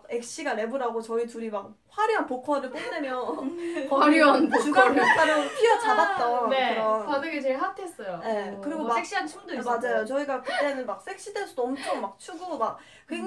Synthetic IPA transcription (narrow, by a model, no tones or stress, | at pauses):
ke̞k̚ɕ͈iɡaɾe̞buɾaɡot͡ɕʌituɾimak̚ | ɸwaɾiʌnpokʰʌɾɯɭpʰodemjʌ | aɾʌnpokʰʌɾt͈aɾʌnpʰiʌt͡ɕadat̚t͈aekɯɾʌnadɯɡet͡ɕeɭɦatʰe̞s͈ʌjoje̞kɯɾiɡomaekɕ͈iant͡ɕʰidmad͡ʑajot͡ɕʌiɡakʰɯt͈enɯnmak̚s͈ʰe̞k̚ɕ͈idweɭs͈udoʌmt͡ɕʰʌmːak̚t͡ɕʰuɡumak̚ | k͈we